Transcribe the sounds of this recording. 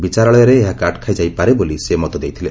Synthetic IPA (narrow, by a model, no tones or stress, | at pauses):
bit͡ʃaɾɔɭɔjaɾeːɦakaʈkʰajd͡ʒajpaɾebolisemɔt̪ɔd̪ejt̪ʰile